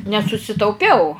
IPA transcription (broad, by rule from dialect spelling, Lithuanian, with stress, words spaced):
nʲɛsʊsʲɪtɐʊˈpʲɛʊ